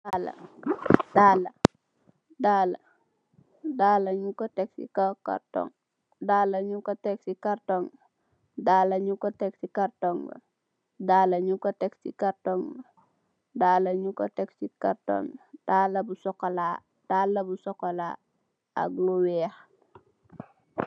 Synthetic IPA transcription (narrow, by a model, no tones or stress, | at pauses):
dalɐ̰ | daːlɐ | daːlɐ̰ | daːlɐɲukoteksḭkoka̰ɾto̰ŋ | daːlɐɲukoteksikaɾtoŋ | dalɐɲukoteksikaɾtoŋɡ̰ | daːlɐɲukoteksḭkaɾtoŋ | dalɐɲukoteksikaɾto̰ŋd̥alːɐbusɔkolaː | d̥aːlːɐbusɔkolaː | a̰ɡlowɛh